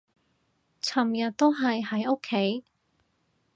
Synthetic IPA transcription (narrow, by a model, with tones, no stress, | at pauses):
t͡sʰɐ˨˩mjɐ˨t̚t̪o˥wɦɐ˨jhɐ˨˥jo˥kʰːe˨˥j